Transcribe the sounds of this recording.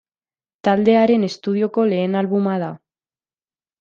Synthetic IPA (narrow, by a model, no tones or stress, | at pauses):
t̪ald̪e̞aɾe̞ne̞st̪uð̞io̞ko̞le̞ːnalβumað̞a